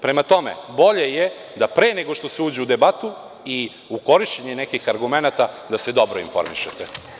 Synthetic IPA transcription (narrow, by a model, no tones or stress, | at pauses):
pɾe̞mat̪o̞me̞̰bo̞ʎeje | d̪apɾeːneɡo̞ʃt̪o̞seuːd͡ʑeud̪e̞bat̪u | i | uko̞ɾiʃt͡ɕeɲene̞kixaɾɡume̞nat̪ad̪ase̞d̪o̞bɾoinfo̞ɾmḭʃet̪e